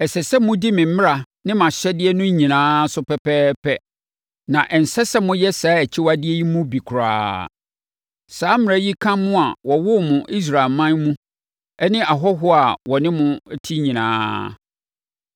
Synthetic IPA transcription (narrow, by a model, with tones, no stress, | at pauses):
ɛ˨sɛ˨sɛ˦mʊ̃˦di˦mɪ̃˨m̩˦m˦ɾa˨ | nɪ̃˦mã˨ɕɛ˦dɪ˦ɛ˦nʊ̃˦ɲĩ˨nãː˦sʊ˦pʰɛ˨pʰɛː˦pʰɛ˦ | nã˨ʔɛ˨n̩˨sɛ˦sɛ˦mʊ̃˦jɛ˦saː˨˦ɛ˨t͡ɕʰɪ˦wa˦dɪ˦ɛ˦ji˦mʊ̃˦bi˨kʰʊ˨ɾa̰ː˦ | saː˨˦mɪ˨a˨˦ji˦kʰã˦mʊ̃˦a˨wɔ˨wʊ˦mʊ̃˨ʔi˦s̬ɾa˨e˨lmã˦nmũ˦ | ɛ˦nɪ̃˦a˨ɦɔ˦ɦʊ˦a˨wɔ˨nɪ̃˦mʊ̃˦tʰi˦ɲĩ˨nã̰ː˦